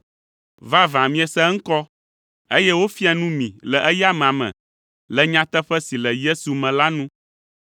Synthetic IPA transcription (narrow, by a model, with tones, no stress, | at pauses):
va˦vã˨mĩ˦ɛ˨sɛ˦ŋ̩˦kɔ˦ | e˦jɛ˦wo˦fi˦a˨nũ˦mĩ˨lɛ˨ʔɛ˦ja˦mɛ̃˨a˨mɛ̰̃˨ | lɛ˨ɲã˦t̪ɛ˦ɸɛ˦si˨lɛ˨je˦su˨mɛ̃˨la˦nũ˦